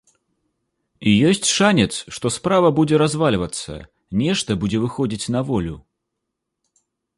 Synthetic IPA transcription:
ijɔsʲt͡sʲʂanʲɛt̪sʂt̪ɔspɾavɐbud͡zʲɛɾazvalʲvɐt̪sɐ̰ | nʲɛʂt̪ɐbud͡zʲɛvɨxɔd͡zʲit͡sʲnɐvɔlʲu

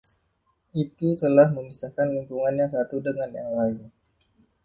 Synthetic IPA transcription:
ʔit̪ut̪əlahməmisakanliŋkuŋanjaŋsat̪udəŋanja̰ŋlain

